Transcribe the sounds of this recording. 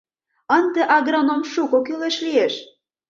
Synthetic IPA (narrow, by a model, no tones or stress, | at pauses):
ənd̪ĕʔɑɣronomʃukokyleʃlieʃ